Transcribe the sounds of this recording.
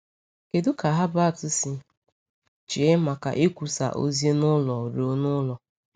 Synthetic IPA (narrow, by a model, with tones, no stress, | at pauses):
ke˨dʊ˦ka˨ɦa˦ba˦a˨tʊ˦si˦ | t͡ʃi˨e˦ma˨ka̰˨ʔi˦kʷu˨sa̰˨ʔo̰˦zi˦e˦nʊ˦lɔ˨ɾo˨˦nʊ˦lɔ˨